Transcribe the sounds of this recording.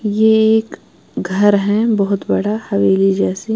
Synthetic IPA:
jeeːk | ɡʱɐɾɦɛ̃bɔɦʊt̪bɐɽ̤ahɐʋeːlid͡ʒɛːsi

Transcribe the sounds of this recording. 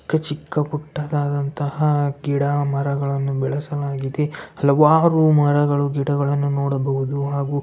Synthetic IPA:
kːɐt͡ʃikːɐpuʈːad̪aːd̪ɐnt̪ɐhɐɡiɽamɐɾɐɡɐɭɐnːubɛɭɐsɐlaːɡid̪e̞ɐlɐʋaːɾumɐɾɐɡɐɭuɡiɽɐɡɐɭɐnːunoːɽɐbɐɦud̪uɦaːɡuː

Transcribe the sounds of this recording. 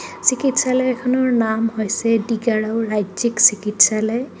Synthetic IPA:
sikitsalɔɛkʰɔnɔɹnamhojsɛdiɡaɹaʊɹajziksikitsalɔj

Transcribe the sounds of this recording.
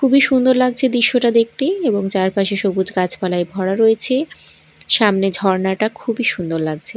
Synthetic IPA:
kʰubiʃund̪oɾlaɡt͡ɕʰed̪iʃːoʈad̪ek̚t̪eeboŋd͡ʑaɾpaʃeʃobud͡ʑɡat͡ɕʰpalaebʱɔɽaɾojet͡ɕʰe | ʃamned͡ʑʱɔɾnaʈakʰubiʃund̪oɾlaɡ̚t͡ɕʰe

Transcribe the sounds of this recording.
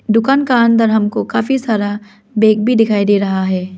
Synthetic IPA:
d̪ʊkaːnkaɐ̃nd̪əɾɦɐmkokaːfisaːɾa | beːk̚bʱid̪ɪkʰaːid̪eːɾɐɦaɦɛː

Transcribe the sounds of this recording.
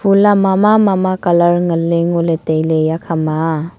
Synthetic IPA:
pʰulamamamamakalaɾŋəleŋoletejlejakʰama

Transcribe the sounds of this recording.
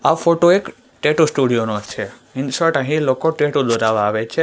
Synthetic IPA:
afoʈoek | ʈeʈusʈuɽijonot͡ʃʰe | ɪnsəʈə̃ɦĩlokoʈeʈud̪oɾaʋaːʋet͡ʃʰe

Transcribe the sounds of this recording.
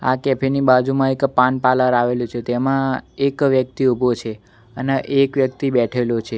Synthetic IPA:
a̰kɛpʰenibad͡ʒumãekpanpalaɾaʋelũt͡ʃʰet̪emãekʋjək̚t̪iubʱot͡ʃʰe | əneʔekʋjək̚t̪ibɛʈʰelot͡ʃʰe

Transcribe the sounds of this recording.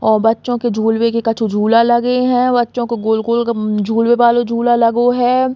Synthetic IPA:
ɔːɾbɐtːʃõked͡ʒʱuːlwekekɐt͡ʃʰud͡ʒʱuːlalɐɡeɦɛ̃bɐtːʃõkeɡoːlɡoːlkd͡ʒʱuːlwebaːlod͡ʒʱuːlalɐɡoɦɛː

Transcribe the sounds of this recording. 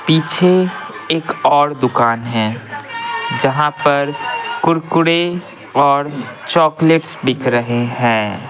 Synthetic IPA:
piːt͡ʃʰe | eːkɔːɾd̪ʊkaːnɦɛ̃ | d͡ʒɐɦãpɐɾkʊɾkʊɽe | ɔːɾt͡ʃɔːkleʈsbɪkʰɾəɦeɦɛ̃ː

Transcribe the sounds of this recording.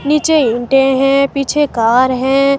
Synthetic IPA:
niːt͡ʃeɪ̃ɳʈẽɦɛ̃ːpiːt͡ʃʰekaːɾɦɛ̃ː

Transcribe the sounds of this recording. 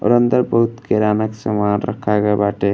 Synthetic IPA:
o̰ɾənd̪əɾbəɦut̪keɾaːnaksɐmaːnɾɐ̰kʰaɡabaʈe

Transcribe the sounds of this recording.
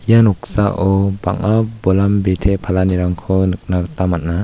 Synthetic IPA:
ijanuk̚sa̰ʔɔba̰ŋabɔlambetʰepʰalaniɾaŋkʰɔnɯk̚naktamat̚na

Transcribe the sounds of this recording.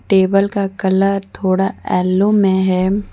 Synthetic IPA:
ʈeːbəlkakɐləɾt̪ʰoːɽaɛːlːomẽɦɛː

